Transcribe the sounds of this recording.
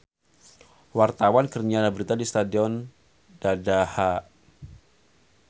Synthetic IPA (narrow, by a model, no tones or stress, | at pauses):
wart̪awankərɲalabəɾit̪adist̪adiɔn | dadaha